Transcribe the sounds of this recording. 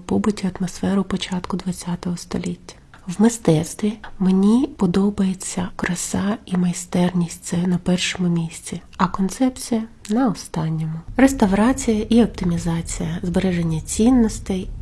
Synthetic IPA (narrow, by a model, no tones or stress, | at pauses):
pɔbʊtʲiɐt̪mɔsfɛɾʊpɔt͡ʃɑt̪kʊd̪ʋɐt͡sʲːat̪ɔɦɔst̪ɔ̰lʲitʲːɐ̥ | wmɪst̪ɛt̪st̪ʋʲimenʲipɔd̪ɔbɐjet͡sʲːɐkɾɐsɑimɐjst̪ɛrnʲisʲtʲt̪sɛnɐpɛrʃɔmʊmʲisʲt͡sʲi | ɐkɔnt̪sɛpt͡sʲijɐnɐɔst̪ɑnʲːɔmʊrest̪ɐʋɾɑt͡sʲijɐʔiɔp̚t̪ɪmʲizɑt͡sʲijɐzbeɾɛʒenʲːɐt͡sʲinːɔst̪ɛj